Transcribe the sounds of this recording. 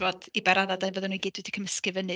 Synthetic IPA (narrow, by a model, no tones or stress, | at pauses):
vɔdibɛɾaðadajnvoːðɨnuiɡiːd̥wɨdikʰəməskɨvənɨ